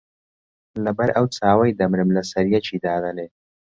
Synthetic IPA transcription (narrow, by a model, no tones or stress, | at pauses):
labɐɾawt͡saːwajd̪ɐmɾɪmlasɐɾijat͡ʃid̪aːd̪ɐne